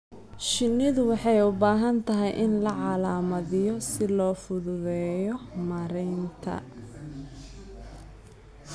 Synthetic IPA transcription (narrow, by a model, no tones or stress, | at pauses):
ʃɪnːɪðʊwɑħɑjʊbaːɦɐnt̪ʰɐɦɛjʔɪnlɐʕɑlaːmɐðɪjɔsɪlɔːfʊðʊðɛːjɔmɐɾɛjnt̪ʰɐ̰